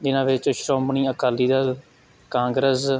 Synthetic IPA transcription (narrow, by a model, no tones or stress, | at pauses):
d͡ʒɪnãːʋɪt͡ʃʃɾõːmbɳiːəkaːliːd̪aː | kãːŋɡɾəs